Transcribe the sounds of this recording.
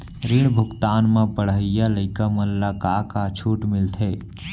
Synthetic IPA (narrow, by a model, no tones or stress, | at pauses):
ɾiɽbʱʊɡt̪aːnmãpəɽ̤əɪjaləɪkaməlːakakat͡ʃʰuːʈmɪlt̪ʰeː